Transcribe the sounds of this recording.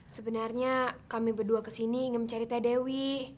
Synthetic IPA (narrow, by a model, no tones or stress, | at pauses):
səbənarɲakamibərduakəsiniːŋənməɲt͡ʃaɾit̪adewi